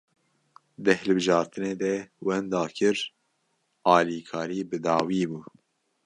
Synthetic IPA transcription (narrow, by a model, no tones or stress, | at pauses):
d̪ɨhɨlbɨʒɑːɾt̪ʰɨneːd̪ɛwɛnd̪ɑːkʰɨɾ | ɑːliːkʰɑːɾiːbɨd̪ɑːwiːbuː